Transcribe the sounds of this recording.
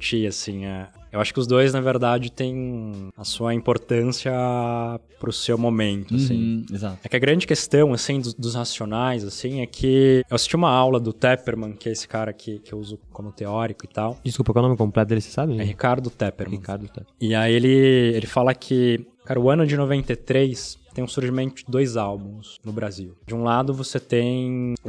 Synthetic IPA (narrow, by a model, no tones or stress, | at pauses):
t͡ʃiasĩɛewaʃʊ̥kɪʊzd̪ojznɐveɾd̪ad͡ʒɪt̪ẽj̃ɐsuɐĩmpoɾt̪ɐ̃siɐ | pɾʊsewmomẽnt̪ʊasĩezat̪ɛkɪɐɡɾɐ̃d͡ʒɪkest̪ɐ̃w̃asĩd̪ʊd̪ʊzhasionajzasĩɛkʰɪewasi̥st͡ʃiũmɐawlɐd̪ʊt̪ɛpeɾmɐ̃kɪɛesɪ̥kaɾɐkʰɪkɪewuzʊkõmʊt̪eɔɾikʊɪt̪awd͡ʒɪskupɐkawnõmɪkõmplɛt̪ʊd̪elɪse̥sabɪ̃ɛhikaɾd̪ʊt̪ɛpeɾmɐ̃kaɾd̪ɛɪaielɪelɪfalɐkʰɪ | kaɾɐʊɐ̃nʊd͡ʒɪnovẽnt̪et̪ɾejst̪ẽj̃ʊ̃suɾʒimẽnt̪ʊd͡ʒɪd̪ojzawbũsnʊbɾaziwd͡ʒɪũlad̪ʊvoset̪ẽj̃ũ